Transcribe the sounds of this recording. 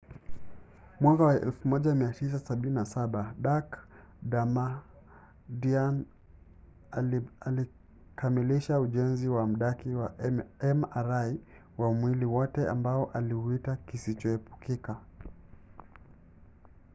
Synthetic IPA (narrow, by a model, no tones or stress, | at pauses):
mwaŋɡawaʔɛ̰lfumɔʄamiatis̬asaɓininasaɓaɗak | ɗama | dian | liali | kʰamiliʃauʄɛnziwam̩ɗakiwaɛmaɾai | wamwiliwɔtɛa̰mbaɔʔaliuitakisit͡ʃɔɛpu̥kika